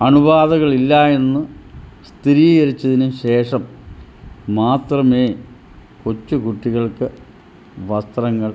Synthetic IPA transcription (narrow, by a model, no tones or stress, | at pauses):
ɐɳubaːðɐɣɐɭilːae̞nːɨst̪iɾiːɐɾit͡ɕːɐðinumɕe̞ːʂɐmː | aːt̪rɐmeː | kot͡ɕːukuʈːiɣɐɭkɨ | ʋɐst̪rɐŋːɐɭ